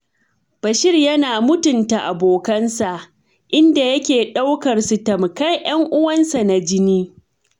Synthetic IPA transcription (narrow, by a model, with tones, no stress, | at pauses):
b̥ɐ˨ʃɪ˦rjɐ˦naː˨mʊ˦tʊ˨nta˨ʔa˨boː˨kɐ˦nsa˨ʔ | ʔɪ˦nda˨jɐ˦kʲeː˨ɗa˦wkɐ˨rsu˨tɐ˨m˨kɐ˦jj̰ɐ˦ŋʔʊ˦wɐ˦nsa˨na˨d͡ʒɪ˦niː˦